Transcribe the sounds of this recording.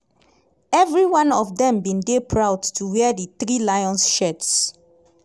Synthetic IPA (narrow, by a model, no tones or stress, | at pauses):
ɛvɹiwãnɔfdɛ̃mbĩndepʰɹawdtʰuwɛdit̪ɹilajɔ̃nsʃɛts